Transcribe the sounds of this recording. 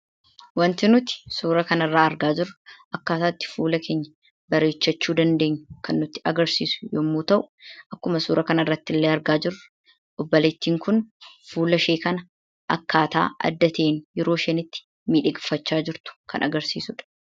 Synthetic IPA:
wɐnt̪ɪnʊt̪ɪ̥suːɾɐkɐnɐrːaːɐɾɡaːd͡ʒɪrʊʔɐkːaːt̪aːt̪ːɪ̥fuːlɐkʰeːɲːɐ | bɐɾe̞ːt͡ʃːɐt͡ʃːuːd̪ɐnd̪e̞ːɲːʊ̥kɐnːʊt̪ːɪ̥ɐɡɐɾsiːsʊ̥joːmːuːt̪ɐʔʊ̥ʔɐkːʊmɐsuːɾɐkɐnɐɪrːɐt̪ːɪlːeːɐɾɡaːd͡ʒɪr | ʔɔbːɐlɛt̪ːiːŋkʊnfuːlɐʃeːkɐnɐ | ʔɐ̰kːaːt̪a̰ːʔɐ̰d̪ːɐt̪eːnjɛɾo̞ːʃɛnɪt̪ːɪ̥ | miːᶑɪɡɪfːɐt͡ʃːaːd͡ʒɪɾt̪ʊ̥kʰɐ̰nɐɡɐɾsiːsʊᶑ̥

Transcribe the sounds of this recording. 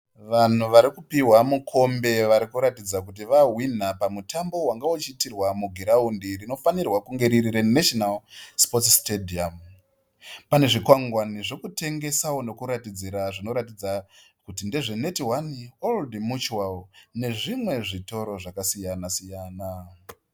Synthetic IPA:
ʋan̤uʋaɾikupiwamukʰo̞mbe̞ʋaɾikuɾatid͡zakut̬iʋaɦwin̤apamutʰambo̞waŋɡaot͡ʃitirwamuɡʱiɾaundirino̞fanirwakuŋɡe̞ɾiɾiɾeneʃonalspotstediam | pane̞ʐikwaŋɡwaniʐo̞kute̞ŋɡe̞sawono̞kuɾatid͡ziɾaʐino̞ɾatid͡zakutinde̞ʐene̞tiwanioldimut͡ʃuwalne̞ʐimwe̞ʐito̞ɾo̞ʐakasijanasijaːna

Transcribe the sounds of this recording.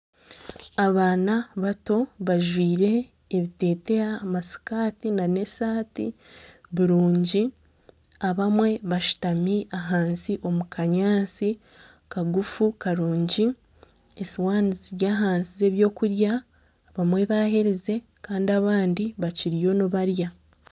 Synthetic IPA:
aβaːnaβato̞βaʒwiːɾe̞ː | βite̞ːte̞aːmasi̥kaːtinane̞saːtḭ | βiɾuːɲɟi | aβamwe̞βaʃu̥tamiaɦaːnsiʔo̞mukʰaɲaːnsi | kaɡufukaɾuːɲɟi | esiwaːniziɾjaːɦaːnsize̞βjo̞ːkuɾja | βamwe̞βaːɦe̞ɾeze̞ | kaːndiaβaːndiβaciɾijo̞nuβaɾja

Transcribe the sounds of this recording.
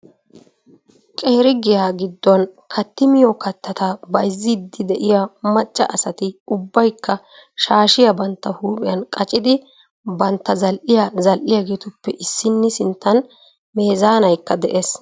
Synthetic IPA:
kʼe̞ːɾɪɡɪjaːɡɪd̪ːɔnkʰɐt̪ːɪmɪjɔkɐt̪ːɐt̪abɐjzːɪd̪ːɪd̪ɛʔɪjamɐt͡ʃʼːɐ̰ʔɐsɐt̪ɪʊbːɐjkːɐ | ʃaːʃɪjɐbɐnt̪ːɐhuːpʼɪjɐnkʼɐt͡ʃʼɪd̪ɪ | bɐnt̪ːɐzɐlʔɪjazɐlʔɪjaɡe̞ːt̪ʊpːɛʔɪsːɪnːɪsɪnt̪ːɐn | me̞ːzaːnɐjkːɐd̪ɛʔe̞ːs

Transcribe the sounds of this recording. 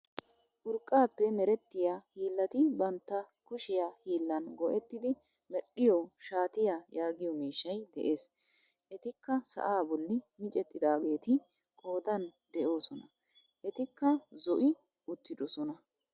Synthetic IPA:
ʔʊɾkʼːaːpːɛmɛɾɛt̪ːɪjahiːlːɐt̪ɪbɐnt̪ːɐkʊʃɪjaːhiːlːɐnɡɔʔɛt̪ːɪd̪ɪ | mɛɗːɪjɔʃaːt̪ɪjajaːɡɪjɔmiːʃːɐjd̪ɛ̰ʔe̞ːs | ʔɛt̪ɪkːɐsɐ̰ʔaːbɔlːɪmɪt͡ʃʼɛt̪ːɪd̪aːɡe̞ːt̪ɪ | kʼo̞ːd̪ɐnd̪ɛʔo̞ːsɔnɐ | ʔɛt̪ɪkːɐzɔʔɪ | ʔʊt̪ːɪd̪ɔsɔnɐ

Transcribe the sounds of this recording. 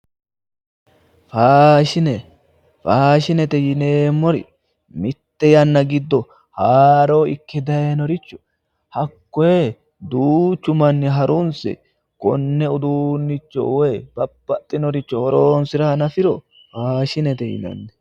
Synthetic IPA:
faːʃɪnɛ | faːʃɪnɛt̪ɛjɪneːmːɔɾɪ̰ | mɪt̪ːɛjɐnːɐɡɪd̪ːɔ | haːɾoːɪkːɛd̪ɐjenɔɾɪt͡ʃːɔ̥ | hɐkːɔje | d̪uːt͡ʃːʊmɐnːɪɦɐɾʊnsɛ̰ | kɔnːɛʊd̪uːnːɪt͡ʃːɔ̰wɔjb̥ɐbːɐt̪ʼːɪnɔɾɪt͡ʃːɔhɔɾoːnsɪɾɐɐnɐfɪɾɔ | faːʃɪnɛt̪ɛjɪ̰nɐ̰nːɛ

